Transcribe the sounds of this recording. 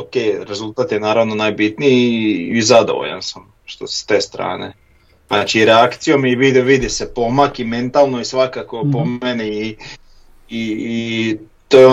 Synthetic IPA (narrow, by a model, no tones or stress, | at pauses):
oke̞ːjɾe̞zulˠt̪at̪jenaːɾaʋno̞naːjbit̪nijiizad̪o̞̰ʋo̰ʎa̰nsam | ʃt̪osst̪e̞ːst̪ɾa̰ːne̞̰ | nat͡ʃiɾe̞akt̪sijo̞miʋid̪eoʋid̪ise̞po̞makime̞nt̪alˠno̞isʋakako̞pomenii | i | t̪ojeo